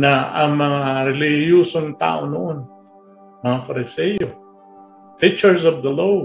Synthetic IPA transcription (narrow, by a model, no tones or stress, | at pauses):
naɐŋmɐŋaɾɪlɪhjuːsoŋt̪a̰ːʔonoʔon | mɐŋafɐɾɪsɛjo | pɪk̚t͡ʃɛɹsɔvd̪ɐlow